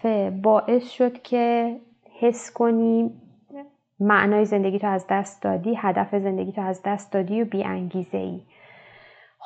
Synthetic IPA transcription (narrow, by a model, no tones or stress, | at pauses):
ebɒːʔe̞sʃo̞d̪̥cʰe̞ | he̞skʰo̞niː | mæʔnɒːjeze̞nd̪e̞ɡiːt̪ʰoæzd̪æst̪d̪ɒ̰ːd̪iːhæd̪æfeze̞nd̪e̞ɡiːt̪ʰoæzd̪æst̪̚d̪ɒːd̪iːjobiːʔæ̰ŋɟiːze̞̰ʔḭː | h